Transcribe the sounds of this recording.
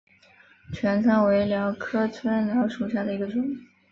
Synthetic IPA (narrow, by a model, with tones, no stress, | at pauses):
t͡ɕʰɥɛ˧˥nt͡sʰɑ˥ŋwe˧˥ɪljɑ˧˥ʊkʰɤ˥t͡sʰwə˥nljɑ˧˥ʂu˨˩ɕja˥˩d̪ə˩i˧˥ɡə˧ʈ͡ʂʊ˨˩˦ŋ˥